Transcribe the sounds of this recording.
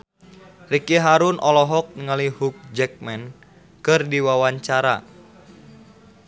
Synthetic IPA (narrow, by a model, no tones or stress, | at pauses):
rikiɦaɾunʔɔlɔɦɔk̚ŋəlihuk̚d͡ʒɛk̚mɛn | kɨrdiwawaɲt͡ʃaɾa̰